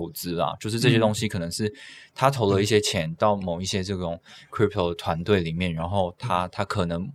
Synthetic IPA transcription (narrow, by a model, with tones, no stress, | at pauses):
ʊt͡sɹ̩˥lɐ̰˨t͡ɕjo˥˧ʊʂɻ̩˥˧ʈ͡ʂɤ˥˧ɕjɛ˥t̪ʊ˥ŋɕi˧˥kʰɤ˨˩nɤ˧˦ŋʂɻ̩˥˩t̪ʰa˥t̪ʰo˧˥ʊlə˧i˥˩ɕ̬jɛ˥t͡ɕʰjɛ˧˦nt̪ɑ˥˩ʊmo˨˩ʊi˥˩ɕjɛ˥t͡sɤ˥˩ʈ͡ʂʊ˨˩˦ŋkʰɹi˥p̚ʰt̪ʰo˥˧˩t̪ʰwa˧˦˥nt̪we˥˩ɪli˨˩mjɛ˥˩nɻa˧˥nxo˥˧ʊt̪ʰa˥t̪ʰa˥kʰɤ˨˩nɤ˧˥ŋ